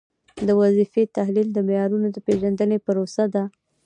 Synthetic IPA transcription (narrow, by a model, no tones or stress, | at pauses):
d̪əwazifet̪ahlild̪əmɪjɑɾunod̪əpeʒand̪ənepəɾosad̪a